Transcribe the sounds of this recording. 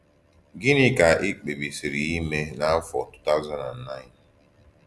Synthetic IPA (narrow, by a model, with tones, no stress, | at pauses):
ɡɪ˦nɪ˦ka˨ʔɪ˦k͡pe˨bi˨si˨ɾi˨i˦me˦na˦fɔ̰˨tu̥˦ta˦ʊ˦za˦na˨n̩˨na˦ɪ˦˨n